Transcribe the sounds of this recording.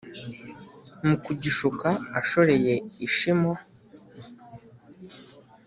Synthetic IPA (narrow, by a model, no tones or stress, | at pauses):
mukuɟiʃukaaʃo̞ɾe̞je̞iʃimwa